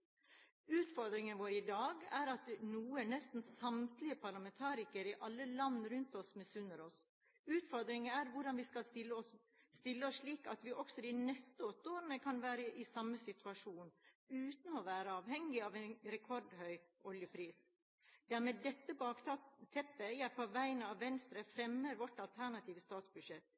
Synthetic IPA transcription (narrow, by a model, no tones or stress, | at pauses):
ʉːt̪fɔɾd̪ɾɪŋənʋoːɾəɪd̪ɑːɡæɾɑt̪nuːənɛst̪n̩sɑmt̪lɪəpʰɑɾlɑmɛnt̪ʰɑːɾɪkəɾɪʔɑlːəlɑnːɾʉnt̪ɔsmɛsʉnːəɾɔs | ʉːt̪fɔɾd̪ɾɪŋəæɾʋʊɖɑnʋɪskɑlɪlːəɔs | st̪ɪlːəɔsʂɭiːkɑt̪ʋɪʔɔksɔd̪inɛst̪əɔt̪ːoːɾənəkʰɑnʋæːɾəʔɪsɑmːəsɪt̪ʰʉɑʂuːnʉːt̪n̩ɔʋæːɾəɑːʋhɛŋːɪɑʋɛɪnɾɛkʰɔɾɖhœʏʔɔljəpʰɾiːs | d̪æɾmeːd̪ɛt̪ːəbɑːkt̪ɑːt̪ʰɛpːəjæpʰɔʋæɪənɑʋːɛnst̪ɾəfɾɛmːəɾʋɔʈːɑlt̪ʰæɳɑt̪ʰiːʋəst̪ɑːt̪sbʉdʂɛt̪ː